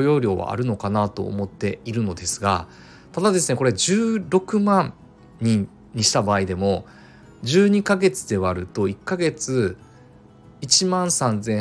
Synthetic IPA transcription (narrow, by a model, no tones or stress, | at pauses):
jo̞ːɾʲjo̞ːβa̰a̰ɾɯ̟no̞kanat̪o̞̰ːmo̞t̪ːe̞iɾɯ̟no̞d̪e̞sɨɡa | t̪ad̪ad̪e̞sɨneko̞ɾe̞d͡ʑɨːɾo̞kɯ̟mãn | ɲi | ɲiɕi̥t̪abaːid̪e̞mo̞ | d͡ʑɨːɲ̟ikaɡe̞t͡sɨd̪e̞β̞aɾɯ̟t̪o̞ikːaɡe̞t͡sɨ | it͡ɕimãɰ̃sãnd͡zẽ